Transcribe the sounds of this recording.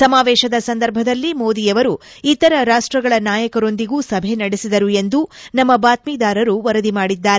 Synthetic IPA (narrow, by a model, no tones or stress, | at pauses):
sɐmaːʋɛːʃɐd̪ɐsɐnd̪ɐɾbʱɐd̪ɐlːimo̞ːd̪ijɐʋɐɾuit̪ɐɾɐɾaːʂʈɾɐɡɐɭɐnaːjɐkɐɾo̞nd̪iɡuːsɐbʱe̞nɐɽesid̪ɐɾue̞nd̪unɐmːɐbaːt̪miːd̪aːɾɐɾuʋɐɾɐd̪imaːɽid̪ːaːɾe